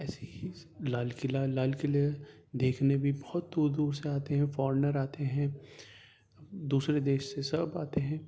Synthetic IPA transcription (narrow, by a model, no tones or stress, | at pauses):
ɛːseɦilaːlkɪlalaːlkɪlie | d̪eːkʰnebʱibɔhɔt̪̚d̪uːɾd̪uːɾseaːt̪eɦɛ̃fɔːɾnəɾaːt̪eɦɛ̃ | d̪uːsɾed̪eːʃsesɐbaːt̪eɦɛ̃ː